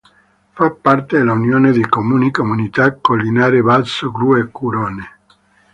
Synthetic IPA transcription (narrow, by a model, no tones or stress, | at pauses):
fapːaɾt̪ed̪elaunjoːned̪ekomuːnikomunit̪akːolːinaːɾeβalsoɡɾuekːuɾone